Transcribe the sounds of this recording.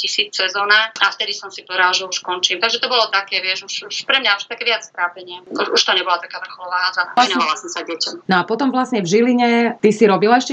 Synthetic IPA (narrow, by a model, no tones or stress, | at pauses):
cisiːt͡ssɛzɔːnaaft̪ɛd̪isɔmsipɔɾalaʒɛuʃkɔnt͡ʃiːmt̪aɡʒɛt̪ɔbɔlɔt̪akɛːʋɪɛʃuʃuʃpɾɛmɲaɔʃt̪akɛːʋɪat͡st̪ɾaːpɛɲɪɛuʃuʃt̪ɔɲɛbɔlat̪akaːʋr̩xɔlɔʋaːɦazaainɔalasɔmsaɟɪɛcɔmnɔapɔt̪ɔmʋlasɲɛvʒiliɲɛt̪isiɾɔbilaɛʃcɛ